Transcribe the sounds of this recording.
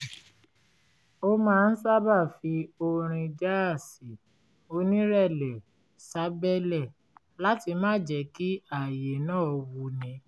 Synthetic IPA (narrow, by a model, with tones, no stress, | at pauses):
o˦mãː˦˧n̩˦sa˦ba˦˨fi˧o˧ɾ̃ĩ˧d͡ʒa˦a˦˨si˨ | o˧nĩ˦ɾɛ˦˨lɛ˨ | sa˨˦bɛ˦lɛ˦˨ | la˦ti˧mãː˦d͡ʒɛ˨˦ki˦a˦˨je˨nãː˦˨wu˧˦nĩ˧˦